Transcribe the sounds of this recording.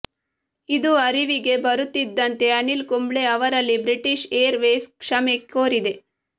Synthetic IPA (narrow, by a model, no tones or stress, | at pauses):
id̪uɐɾiʋiɡe̞bɐɾut̪ːid̪ːɐnt̪e̞ɐnilkumbɭeɐʋɐɾɐlːibɾiʈiʃeːɾʋeːskʂɐmekːoːɾid̪e̞